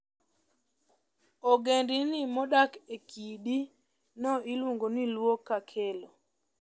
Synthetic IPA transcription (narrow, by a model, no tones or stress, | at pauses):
ɔɡendinimɔɗakekiɗi | nɔilwoŋɡonilwokːakʰelo